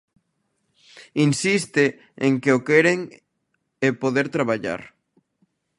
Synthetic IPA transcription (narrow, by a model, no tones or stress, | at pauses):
insist̪ɪ | eŋkeokɛɾeŋ | ɛpoðeɾt̪ɾaβ̞aʎa̰ɾ